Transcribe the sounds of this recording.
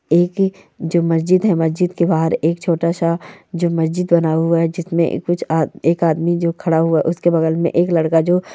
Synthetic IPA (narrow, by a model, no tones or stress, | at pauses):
eːk | d͡ʒoːmɐsd͡ʒɪd̪ɦɛmɐsd͡ʒɪd̪kebaːɦəɾeːkt͡ʃʰoːʈaʃad͡ʒoːmɐsd͡ʒɪd̪bɐnaːɦuaɦɛd͡ʒɪsmḛ̃kʊt͡ʃʰːeːkaːd̪mid͡ʒoːkʰɐɽaɦʊaʔʊskebɐɡəlmḛ̃ʔeːklɐɽkad͡ʒoː